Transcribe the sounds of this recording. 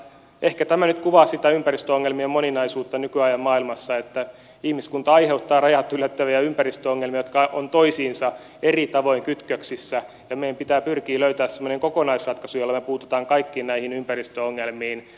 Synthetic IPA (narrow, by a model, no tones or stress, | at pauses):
ʔehkæt̪æmænyt̪kuʋɑːssit̪æympærist̪øoŋːelmiemoninɑisuːt̪ːɑnykyɑjɑmmɑːilmɑsːɑet̪ːæ | ihmiskunt̪ɑɑiheut̪ːɑːrɑjɑt̪ːylːˑæt̪ːæʋiæympærist̪øoŋːelmiɑjot̪̚kɑont̪oisiːnsɑ | erit̪ɑʋoiŋkyt̪køksisːæ | jɑmejæmpit̪æːpyrkiːløyt̪æːssemːoneŋkokonɑisrɑt̪kɑsujolːɑmepuːt̪u̥t̪ɑːŋkɑikːiːnnæihinympærist̪øoŋːelmiːn